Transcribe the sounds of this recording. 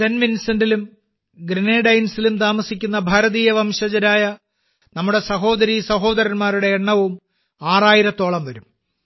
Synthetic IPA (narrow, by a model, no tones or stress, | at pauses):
senminsɐndilum | ɡɾineːɖɐjnsilumt̪aːmɐsikʲːunːɐbʱɐɾɐðiːjɐʋɐmɕɐd͡ʑɐɾaːjɐ | nɐmːuɽe̞sɐɦo̞ːd̪ɐɾisɐɦo̞ːd̪ɐɾɐnmaːɾuɽe̞ːɳːɐʋum | aːraːjiɾɐt̪ːo̞ːɭɐmʋɐɾum